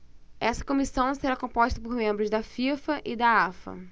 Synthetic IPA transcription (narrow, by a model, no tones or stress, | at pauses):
ɛsɐ̥kõmisɐ̃w̃seɾakõpoʃt̪ɐpoɾmẽmbɾʊzd̪ɐfifɐʔɪd̪aafɐ̰